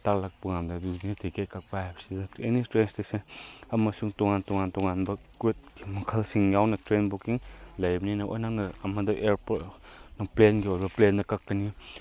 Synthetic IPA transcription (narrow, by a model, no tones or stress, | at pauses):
taklak̚pɯŋamdɐdudinatʰikekak̚paajbsidɐenistɾensdesenamɐsuŋtɔŋantɔŋantɔŋanbɐkwet̚ɡimɐkʰɐlsiŋjawnɐtɾenbukiŋlɐjbɐninɐʔojnaŋnɐɐmɐdɐʔeɾpot̚nɐplenɡiojbɐplendɐkakːɐni